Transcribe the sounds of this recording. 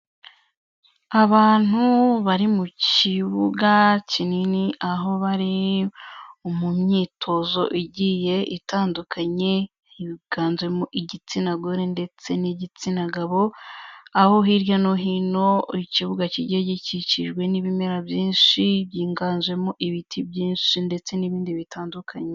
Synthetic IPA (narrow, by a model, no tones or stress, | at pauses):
aβaːn̥huβaɾimuciβuɡacininiʔaɦo̞βaɾi | umumɲiːtʰo̞zo̞̰ʔiɟije̞ʔitaːndukʰaɲe̞ | hiɡ̥aːnzwe̞moʔiɟit͡sinaɡoɾende̞t͡se̞niɟit͡sinaɡaβo̞ | aho̞ɦiɾjanoɦiːno̞iciβuɡaciɟeɟiciciʒɡwe̞niβime̞ɾabjiːnʃiβjiːŋɡaːnzwe̞moʔiβitʰibjiːnʃinde̞t͡se̞niβiːndiβitaːndukʰaɲe